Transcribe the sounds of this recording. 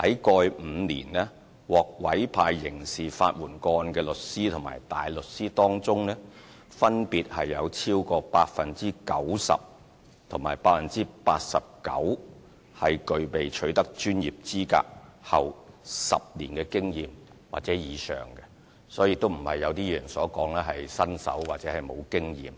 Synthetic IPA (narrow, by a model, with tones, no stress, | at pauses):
hɐ̰˨˥jkɔː˧jm̩ː˨˧nḭː˨˩nlɛː˥ | wɔː˨k̚wɐ˨˥jpʰaː˧jːɪ˨˩ŋsiː˨fa̰ː˧t̚wuː˨˩nkɔː˧nkɛː˧lɵ˨t̚siː˥t̪ʰʊ˨˩ŋma̰ː˨˩jt̪aː˨jlɵ˨t̚siː˥t̪ɔː˥ŋt͡sʊ˥ŋnɛː˥ | fɐ˥npiː˨t̚hɐ˨jːɐ˨˧wt͡sʰiː˥wkɔː˧paː˧t̚fɐ˨nt͡siː˥kɐ˨˥wsɐ̰˨p̚ | t̪ʰʊ˨˩ŋmaː˨˩jpaː˧t̚fɐ˨nt͡siː˥paː˧t̚sɐ˨p̚kɐ̰˨˥w | hɐ˨jkɵ˨ɥpe˨jt͡ʃʰɵ˨˥ɥt̪ɐ˥k̚t͡ʃyː˥njiː˨p̚t͡siː˥ka̰ː˧k̚hɐ˨wsɐ̰˨p̚liː˨˩nkɛː˧kɪ˥ŋjiː˨m | wa̰ː˨t̚t͡sɛː˨˥jiː˨˧sœ̰ː˨ŋkɛ˧ | sɔː˨˥jiː˧t̪o˥wm̩˨˩hɐ̰˨jːɐ˨˧wt̪iː˥jœː˨˩nsɔː˨˥kɔː˨˥ŋlɛː˥ɦɐ˨jsɐ˥nsɐ̰˨˥wwaː˨t̚t͡sɛː˨˥hɐ˨jmo˨˧wkɪ˥ŋjḭː˨m